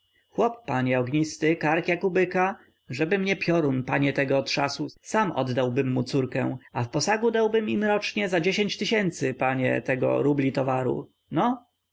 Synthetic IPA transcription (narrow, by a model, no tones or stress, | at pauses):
xwɔpːaɲɛɔɡɲist̪ɘkaɾkʲjakubɘka | ʐɛbɘmɲɛpʲjɔɾunpaɲɛt̪ɛɡɔːt̪ʂasusamɔ̰d̪d̪awbɘmːut̪suɾkɛ̰w̃afpɔsaɡud̪awbɘmimɾɔt͡ʂɲɛzad͡ʑeɕeɲt͡ɕt̪ɘɕɛnt̪sɘpaɲɛ̰t̪ɛɡɔ̰ɾublʲit̪ɔvaɾṵ | nɔ